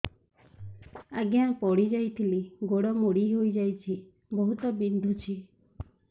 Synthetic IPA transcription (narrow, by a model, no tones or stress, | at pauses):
aɡjãpɔɽid͡ʒajt̪ʰiliɡoɽɔmoɽiɦojd͡ʒajt͡ʃʰi | bɔɦut̪ɔbind̪ʱut͡ʃʰi